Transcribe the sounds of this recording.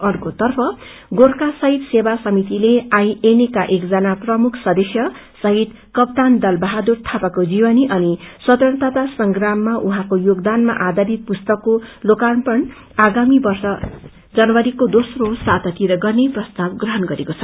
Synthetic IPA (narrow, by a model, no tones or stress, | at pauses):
ʌrkot̪ʌrpʰʌ | ɡorkasʌɦit̪sebasʌmit̪ileãj̃enekaʔekd͡zʌnaprʌmukʰsʌd̪esjʌ | sʌɦit̪ | kʌp̚t̪and̪ʌlbʌɦad̪urt̪ʰapakod͡zibʌniʔʌnisʌt̪ʌnt̪at̪asʌŋɡramːaʔuɦãkojoɡd̪anma̰ʔad̪aɾit̪̚pust̪ʌkːolokanpʌn | aɡamibʌrsʌ | d͡zʌnʌwʌɾikod̪osrosat̪ʌt̪iɾʌɡʌrneprʌst̪abɡrʌɦʌnɡʌɾekot͡sʰʌ